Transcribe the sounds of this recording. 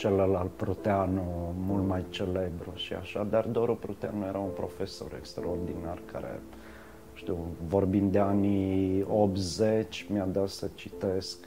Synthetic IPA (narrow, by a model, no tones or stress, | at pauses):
t͡ʃeləlalt̪̚pɾut̪eanomult̪majt͡ʃele̞bɾuʃia̰ʃad̪ard̪oɾupɾut̪eanuje̞ɾaunpɾo̞fe̞so̞̰ɾḛkst̪ɾaord̪inarkʰa̰ɾḛ | ʃt̪iwvo̞rbind̪d̪eaniop̪zet͡ʃʲmjad̪at̪sət͡ʃit̪esk